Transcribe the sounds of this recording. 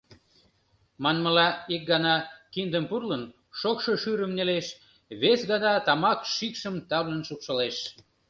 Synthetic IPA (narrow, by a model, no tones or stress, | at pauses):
mɑnməlɑik̚ɡɑnɑkind̪əmpurlən | ʃokʃoʃyɾəmneleʃ | βesɣɑnɑt̪ɑmɑkʃikʃəmt̪ɑβlənʃupʃəleʃ